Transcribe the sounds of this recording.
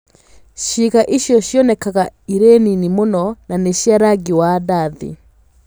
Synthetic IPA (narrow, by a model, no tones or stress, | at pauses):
ʃiɣaʔiʃjɔʃjɔnɛkaɣaiɾeninimonɔnaneʃjaɾaɡiwadaðḭ